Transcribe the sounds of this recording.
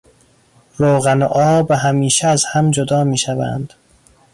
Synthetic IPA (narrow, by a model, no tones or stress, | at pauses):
ɾoːɣænoʔɒːbeɦæmiːʃeæzhæmd͡ʒod̪ɒːmiːʃævæ̰ːnd̪̥